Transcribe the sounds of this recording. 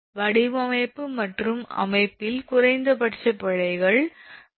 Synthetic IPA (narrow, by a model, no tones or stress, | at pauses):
ʋɐɽɪʋɐmɐɪpːɯmɐʈrɯmɐ̰mɐɪpːɪlkʊrɐɪnd̪ɐpɐʈt͡ʃːɐpːɐɻɐɪɣɐɭ